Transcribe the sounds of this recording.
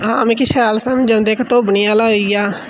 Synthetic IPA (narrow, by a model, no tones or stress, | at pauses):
ɦãːmẽːkiʃaːlsaːmd͡ʒãʊ̃nd̪eːkt̪oːbəniːaːlaːɦoijaː